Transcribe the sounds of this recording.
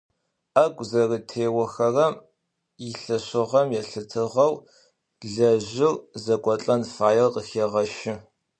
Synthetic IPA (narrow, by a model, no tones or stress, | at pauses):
ɐɡʷʼzɐrətʰeːwɐxɐrɐm | jiɬɐɕɨʁɐmjɛɬɨtʰɨʁɐw | ɮɐʑɪrzɐkʷʼɔɬʼɐnfaːjɛrqəxeːʁɐʃɪ